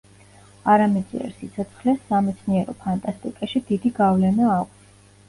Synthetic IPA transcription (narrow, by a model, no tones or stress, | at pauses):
aɾamɛd̪zʼḭɛ̰ɾsit̪sʰɔt̪sʰχlɛsamɛt̪sʰniɛɾɔpʰant̪ʼast̪ʼikʼaʃid̪id̪iɡavlɛnaːkʷʼʰs